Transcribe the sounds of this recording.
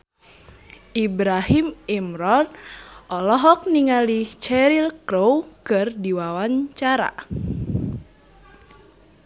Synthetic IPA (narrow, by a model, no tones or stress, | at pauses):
ʔibɾaɦimimɾɔtʔɔlɔɦɔk̚niŋalit͡ʃɛɾilkɾowkɨrdiwawaɲt͡ʃaɾa̰